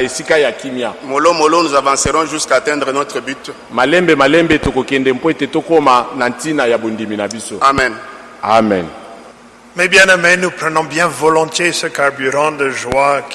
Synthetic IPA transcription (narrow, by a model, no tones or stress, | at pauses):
esikajakimjamolomolonuzavãseʁɔ̃ʒyskaːtɛ̃nd̪ʁənɔt̪χəbyt | malɛmbɛmalɛmbetokokɛndɛmpoetetokomanantinajabondiminabisoamɛ̃n | amɛ̰n | mɛbjɛ̃namɛnupχənɔ̃bjɛ̃volɔ̃t̪jesəkaʁbyʁɑ̃d̪əʒwak